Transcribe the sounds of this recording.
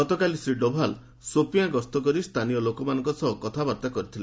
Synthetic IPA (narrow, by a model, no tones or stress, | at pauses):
ɔt̪ɔkalisɾiɖɔbʱal | sopijãɡɔst̪ɔk̬ɔɾist̪ʰanijɔlokɔmanɔŋkɔsɔkɔt̪ʰabaɾt̪akɔɾit̪ʰile